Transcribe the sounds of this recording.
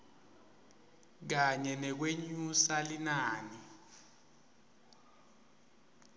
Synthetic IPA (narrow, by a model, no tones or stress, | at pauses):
k̬aɲɛnɛk̬weɲusalinaːni